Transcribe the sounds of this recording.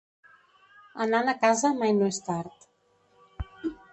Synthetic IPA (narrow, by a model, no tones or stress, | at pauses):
ənanəkazəmajnoest̪aɾt̪